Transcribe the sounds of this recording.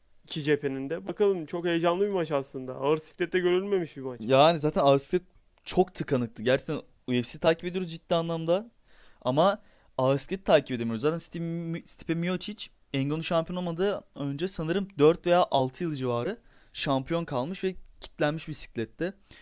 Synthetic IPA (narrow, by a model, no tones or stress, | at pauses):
icʰid͡ʒepʰe̞nind̪ɛbakalˠɯmt͡ʃʰo̞khejed͡ʒanlˠɯbimat͡ʃaslˠɯnd̪aaɯɾsi̥clʲɛt̪ːɛɟøɾylʲme̞miʃbimat͡ʃjanizaːt̪ʰænaɾsclʲɛt̪̚ | t͡ʃʰo̞kt̪ʰɯkʰanɯk̚t̪ʰɯɟæɾt͡ʃʰɛ̥ct̪ʰːæn | ujefsizit̪ʰaːcʰiped̪ijoɾuzd͡ʒit̪ːiːanlˠamd̪a | ama | aɾskcʲɛt̪ʰːaːcʰiped̪emijozaːt̪ænst̪ist̪ʰi̥pʰɛmijot͡ʃʰit͡ʃ | ɛɲɡonuʃampʰijoomad̪ɯø̞nd͡ʒɛsanɯɾɯmd̪øɾt̪ve̞jaːʔalˠt̪ʰɯjɯlˠɯd͡ʒivaːɾɯ | ʃampʰijo̞nkʰalˠmɯʃvɛcʰi̥t̪lʲænmiʃbisi̥clʲɛt̪ʰːɛ